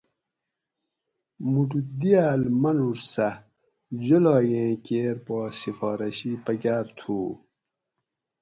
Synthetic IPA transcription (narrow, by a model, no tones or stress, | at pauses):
muʈud̪ijaːlmɐnuɾsɐ | d͡ʑolaːjẽːkeːɾpaːsifaːɾɐɕipɐɡʲaːɾt̪ʰuː